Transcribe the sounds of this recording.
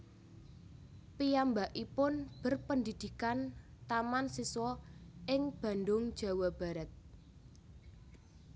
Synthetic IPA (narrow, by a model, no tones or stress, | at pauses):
pijambaʔipʊnb̥ə̤rpənd̪id̪̥i̤kan | t̪amansiswɔɪŋb̥ä̤nd̪ʊŋ̥ʒ̥a̤wab̥a̤ɾət̪̚